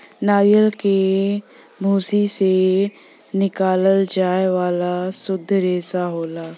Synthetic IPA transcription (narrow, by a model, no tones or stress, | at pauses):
naːjəlke | mʱuːsise | nɪkaːləld͡ʒaːeʋaːlasʊd̪ʱːɾeːsaɦoːlaː